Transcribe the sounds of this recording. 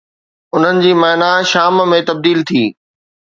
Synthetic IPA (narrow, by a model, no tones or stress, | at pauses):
ʊn̤ənɪ̆d͡ʑiːmɐːnaʃaːmmẽt̪ɐb̚d̪iːlt̪ʰiː